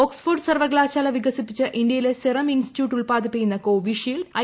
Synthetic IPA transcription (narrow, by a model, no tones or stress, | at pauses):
oksfurɖsɐrʋɐɡɭaːɕaːlɐʋiɡɐsipːit͡ɕːɨʔind̪jɐjileserɐminsti̥tjuːʈːuɭpaːd̪ipːijːunːɐkoːʋiʂɐjilɐ